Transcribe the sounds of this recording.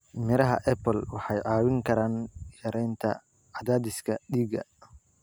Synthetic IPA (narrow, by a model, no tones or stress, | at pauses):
mɪɾɐɦɐ̰ʔɛpɔlwɑħɑjʕɑːwɪŋkʰɐɾaːnjɐɾɛjnt̪ʰɐ̰ | ʕɑd̪aːd̪ɪskʰɐɗiːɡɐ̰